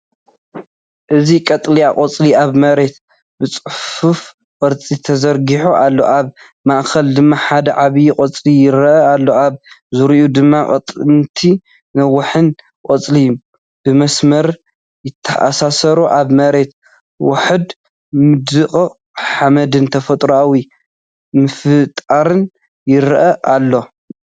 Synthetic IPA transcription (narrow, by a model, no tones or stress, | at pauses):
ʔɨzikʼɐt̪ʼlijakʼɐt͡sʼliaβmɐɾe̞t̪̚ | bɨt͡sʼɨħfuf | kʼɨɾt͡sʼit̪ʰɐzɐɾɡiħoʔalːo̞̰ʔaβ | maʔkʰɐld̪ɨmːaħad̪ɐʕaβijukʼɐt͡sʼlijɪɾɐʔɐalːoaβzuɾiʔud̪ɨmːakʼɐ̰t̪ʼnt̪ʰi | nɐwːʊħɨn | kʼɐt͡sʼlij | b̥ɨmɐsmɐɾ | jɪt̪ʰːɐʔasasɐɾuʔaβmɐɾe̞t̪̚ | wʊħɨd̪ | mɨd̪ɨkʼ | ħamɐd̪ɨnt̪ʰɐfɐt̪ʼɾawi | mɨfɨt̪ʼaɾɨn | jɪɾʔɐʔalːo̞